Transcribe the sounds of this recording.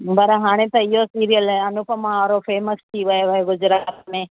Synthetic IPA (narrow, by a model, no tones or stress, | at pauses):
bɐɾəɦaːɽ̃ẽt̪ɐɪɦosiːɾijəlɛɐnʊpəmãɦaːɾofeːməst̪ʰiʋɐjoʋɐeɡʊd͡ʒɾaːt̪mẽː